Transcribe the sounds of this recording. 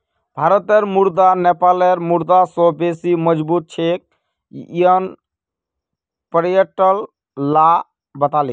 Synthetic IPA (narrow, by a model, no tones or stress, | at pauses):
bʱaɾət̪əɾmuɾd̪anepaleɾmuɾd̪asɔ̃besiməd͡ʒbut̪̚t͡ʃʰek̚ | iən | pɾjəʈəl | la | bət̪ali